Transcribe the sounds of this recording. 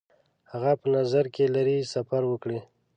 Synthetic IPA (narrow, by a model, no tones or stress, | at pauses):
haɣapənazaɾkelaɾisafaɾwəkɽi